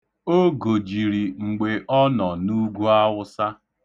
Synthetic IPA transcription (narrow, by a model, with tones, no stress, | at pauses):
o˦ɡo˨d͡ʒi˨ɾi˨ŋ͡m̩˨ɡ͡be˨ʔɔ˦nɔ˨nu˦ɡu˦a˦wʊ˦sa˦